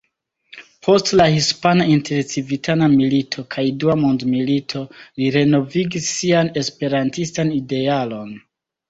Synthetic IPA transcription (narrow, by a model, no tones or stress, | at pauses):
pʰo̞stlahispanaintʰe̞ɾt͡sivitʰanamilitʰo̞kʰajduamo̞ndmilitʰo̞liɾe̞no̞viɡisːiane̞spe̞ɾantistanide̞alo̞n